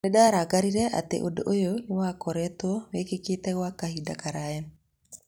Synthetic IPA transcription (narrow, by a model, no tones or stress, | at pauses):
neɗaaɾaɡaɾiɾɛʔa̰tḛʔodo̰ʔojonewakɔɾɛtwɔwekeketɛɣwakahidakaɾaɛ